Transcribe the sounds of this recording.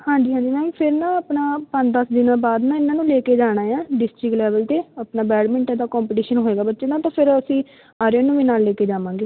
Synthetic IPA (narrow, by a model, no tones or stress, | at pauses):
hãːɲd͡ʒiːɦãːd͡ʒiːmɛ̃ːpʰɪɾnãːəpnaːpə̃ɲd̪əsd̪ɪnãːbaːd̪nãːɪnːãːnũːleːkeːd͡ʒaːɽ̃aːjãːɖɪsʈɾɪklɛːʋəlt̪eːaːpnaːbɛːɽmɪ̃ɳʈɛ̃d̪aːkɔ̃ːmpəʈiːʃənɦoːeːɡaːbətːʃeːd̪ãːt̪ãːpʰɪɾəsĩː | aːɾjõːnũːʋiːnaːlːeːkeːd͡ʒaːʋãːŋɡeː